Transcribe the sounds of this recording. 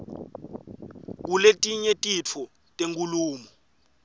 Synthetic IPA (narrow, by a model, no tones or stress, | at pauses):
k̬uletʼiɲetʼit͡fʰɔ | tʼeŋkʼuluːmɔ